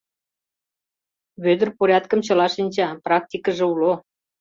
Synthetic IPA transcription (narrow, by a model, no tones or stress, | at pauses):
βød̪ə̆rpoɾʲɑt̪kə̆mt͡ɕɤ̆lɑʃinʲt͡ɕɑprɑk̚t̪ʲikə̆ʒĕulo